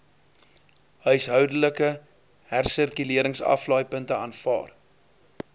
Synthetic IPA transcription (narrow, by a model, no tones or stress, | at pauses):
ɦœɥsɦœwdələkə | ɦærsərkyliəɾəŋsɐ̰flɑːjpəntəɑːnfɑ̰ːr